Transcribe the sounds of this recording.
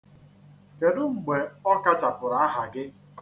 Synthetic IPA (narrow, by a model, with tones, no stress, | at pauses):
ke˨dʊ˦ŋ͡m̩˨ɡ͡be˨ɔ˦ka˦t͡ʃa˨pʊ˨ɾa˨a˦ɦa˨ɡɪ˦